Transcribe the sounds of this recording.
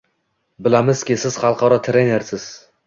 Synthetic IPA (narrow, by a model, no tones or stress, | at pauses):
bɪlamɪzkʲɪsɪz̥χɑlˠqɒɾɒt̪ʰɾene̞ɾsɪz̥